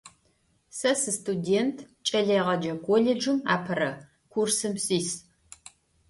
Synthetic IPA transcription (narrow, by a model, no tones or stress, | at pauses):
sɐsɨstʰʼudentʰ | t͡ʃʼɐɮeːʁɐd͡ʒɐkʰʷoled͡ʒʊma̰ːpʰɐrɐ | kʷʰursɨmsiːs